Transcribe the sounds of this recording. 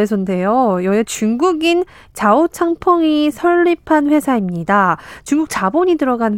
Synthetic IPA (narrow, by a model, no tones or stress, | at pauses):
esʰonde̞jojʌet͡ɕuŋɡuɡin | t͡ɕaot͡ɕʰaŋpʰʌŋisʰʌɭːipʰanɸwe̞sʰaimɲidat͡ɕuŋɡuk̚t͡ɕaboɲidɯɾʌɡan